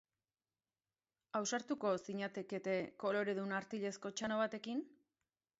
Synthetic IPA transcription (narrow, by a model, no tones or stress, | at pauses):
awsaɾt̪uko̞siɲat̪e̞ke̞t̪e̞ko̞lo̞ɾe̞ðunaɾt̪iʎe̞sko̞t͡ʃano̞β̞at̪e̞kin